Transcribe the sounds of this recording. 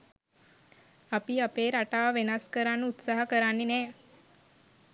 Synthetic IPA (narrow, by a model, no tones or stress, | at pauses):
apiapeːɾaʈaːʋenaskəɾanːəut̪saːɦəkəɾanːenɛː